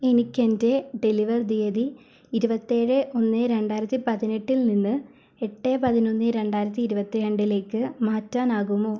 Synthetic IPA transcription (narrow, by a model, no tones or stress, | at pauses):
enikʲːe̞nde̞ɖe̞liʋɐrd̪ijɐðiː | ɾubɐt̪ːeːɻɨʔo̞nːɨɾe̞ɳɖaːjiɾɐt̪ːipɐðine̞ʈːilninːɨ | e̞ʈːe̞ːpɐðino̞nːɨɾe̞ɳɖaːjiɾɐt̪̬ːiːɾubɐt̪ːijɐɳɖile̞ːkːɨmaːtːaːnaːɣumːoː